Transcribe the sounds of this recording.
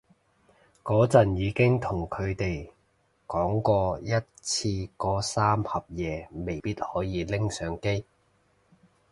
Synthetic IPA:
kɔː˨˥t͡sɐ˨˩njiː˨˧kɪ˥ŋt̪ʰʊ˨˩ŋkʰɵ˨˧ɥt̪e˨j | kɔː˨˥ŋkɔː˧jɐ˥t̚t͡sʰiː˧kɔː˨˥saː˥mhɐ˨p̚jɛː˨˧me˨˩jpiː˥t̚hɔː˨˥jiː˨˧lɪ˥ŋsœː˨˥ŋke˥j

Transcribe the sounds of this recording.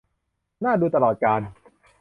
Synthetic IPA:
naː˥˩duː˧t̪a˧lɔː˨˩t̪̚kaː˧n

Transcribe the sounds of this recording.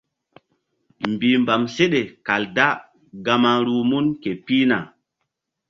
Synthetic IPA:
mbiː˨mba˨mse˦ɗe˨ka˨lda˦ | ɡa˨ma˦ɾu˨˦mu˦nke˨pi˦na̰˨

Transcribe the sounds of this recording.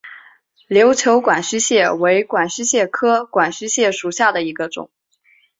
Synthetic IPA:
ljo˧˥ʊt͡ɕʰjo˧˥ʊkwa˨˩nɕ̩˥ɕjɛ˥˩we˧˥ɪkwa˨˩nɕ̩˥ɕjɛ˥˩kʰɤ˥kwa˨˩nɕ̩˥ɕjɛ˥˩ʂu˨˩ɕja˥˩d̪ə˩i˧˥ɡə˧ʈ͡ʂʊ̰˨˩˦ŋ

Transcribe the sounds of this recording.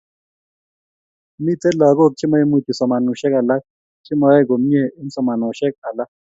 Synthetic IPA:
mi˦tɛ˦la˨ko˦˨k̚t͡ʃʰi˦mɔ˦ɛ˦mu˨t̪i˨sɔ˨ma˨nu˨ʃɛ˦ka˨la˦k̚ | t͡ʃʰi˦mɔ˨jɛ˦˨ɡo˨m˦ɲe˦˨i˦n̩˦sɔ˨ma˨nɔ˨ʃɛ˦k̚a˨la˦

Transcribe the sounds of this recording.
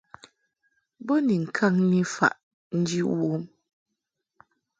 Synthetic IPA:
bo˦ni˨ŋ̩˨kʰa˦ŋni˦fa̰˨ʔ | n̩˦d͡ʒi˦wwo˦m

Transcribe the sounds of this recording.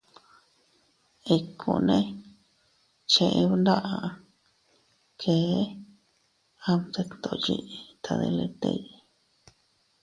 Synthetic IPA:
i˧kʰṵ̃˧˨nẽ˦ | t͡ʃẽ˧ʔẽ˧βu˧nd̪a˦ʔa˧ | kʰeː˨˦ | a˧m˧t̪e˧t̪o˨˧ji˧i˧t̪ʰa˧ðḛ˧le˧t̪ḛ˧i˧

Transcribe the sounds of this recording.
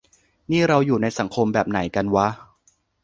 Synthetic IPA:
niː˥˩ɾa˧wjuː˨˩na˧jsa˩˦ŋkʰo˧mbɛː˨˩p̚na˩˦jka˧nwa˦˥

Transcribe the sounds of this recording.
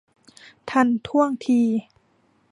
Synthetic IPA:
t̪ʰa˧˥˩nt̪ʰu˥˩əŋt̪ʰiː˧

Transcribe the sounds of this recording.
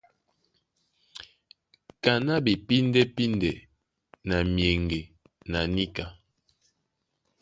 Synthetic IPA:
ka˨na˦bi˨pi˦ndɛ˦pi˦ndɛ˨ | na˨mjɛ˨ŋɡe˨ | na˨ni˦ka˨

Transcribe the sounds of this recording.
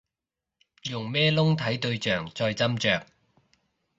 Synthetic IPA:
jʊ˨˩ŋmɛː˥lʊ˥ŋt̪ʰɐ˨˥jt̪ɵ˧ɥt͡ʃœː˨˩ŋt͡sɔː˧jt͡sɐ˥mt͡sœː˨k̚

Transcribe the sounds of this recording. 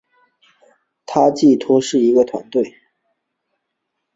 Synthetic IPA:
t̪ʰa˥t͡ɕi˥˩t̪ʰwɔ˥ʂɻ̩˥˩i˧˥ɡə˧t̪ʰwa̰˧˥nt̪we˥˩ɪ

